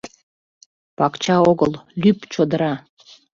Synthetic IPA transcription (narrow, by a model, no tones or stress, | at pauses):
pɑkt͡ɕɑoɣəllypt͡ɕod̪əɾɑ